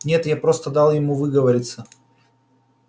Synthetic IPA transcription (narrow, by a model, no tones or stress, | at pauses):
nʲe̞t̪japɾo̞st̪əd̪ɑlˠjɪmuvɨɡəvəɾʲɪt̪sə